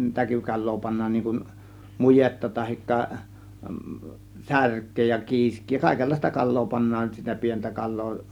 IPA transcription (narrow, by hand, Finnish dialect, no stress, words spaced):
tækykɑlˑoː pɑnːɑːn niːŋ kun mujetːɑ tɑhikːɑ særkˑeː jɑ kiːskˑiː jɑ kɑˑe̝kelːɑˑistɑ kɑlˑoː pɑnːɑːn sitæ pientæ kɑlˑoː